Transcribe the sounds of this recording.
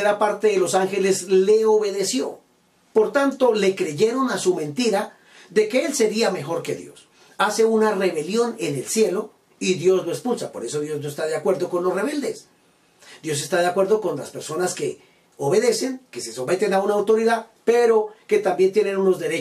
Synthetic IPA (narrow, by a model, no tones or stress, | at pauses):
eɾapaɾt̪eðelo̞saŋxe̞le̞sle̞oβe̞ðe̞sjo̞̰ | po̞ɾt̪ant̪o̞le̞kɾe̞ʝe̞ɾo̞nasumẽ̞nt̪iɾa | ðe̞ke̞else̞ɾiame̞xo̞ɾke̞ðjo̞̰s | ase̞unare̞βe̞ljo̞ne̞ne̞lsje̞lo̞ | iðjo̞znoespulsapo̞̰ɾe̞so̞ðjo̞znoest̪aðeakwe̞ɾðo̞ko̞nlosre̞β̞e̞ld̪e̞s | d̪jo̞s̬est̪aðeakwe̞ɾðo̞ko̞nla̰spe̞ɾso̞naske̞ | oβe̞ðe̞se̞ŋke̞se̞so̞me̞t̪e̞naunaːwt̪o̞ɾiðaðpeɾo̞ke̞t̪ambjent̪je̞ne̞nuno̞zd̪e̞ɾe